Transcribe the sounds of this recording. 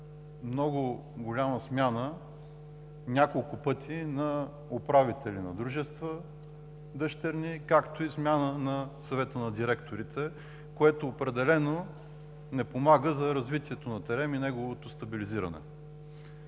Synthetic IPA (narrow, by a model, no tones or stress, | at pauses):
mnɔɡʊɡʊlʲaməsmʲjanə | nʲakolˠkʊpɤt̪ʰinɐ | opɾavit̪ɛlʲinɐ̰d̪ɾuʒɛst̪və | d̪əʃt̪ɛɾnikakt̪oismʲjanənɐsɐvɛt̪ənɐd̪iɾɛkt̪oɾit̪ʰɛ | koɛt̪oːpɾɛd̪ɛlɛno | nɛpomaɡəzɐɾɐzvit̪ʲiɛt̪onɐt̪ɛɾɛminɛɡovot̪ost̪ɐbiliziɾə̰nɛ̰